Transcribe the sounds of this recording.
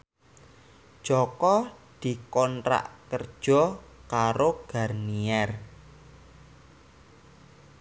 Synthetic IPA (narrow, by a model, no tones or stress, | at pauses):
ʒ̥ɔkɔd̪̥i̤kɔntɾa̰ʔkər̥ʒ̥ɔ̤kaɾoɡ̥a̤rniɛr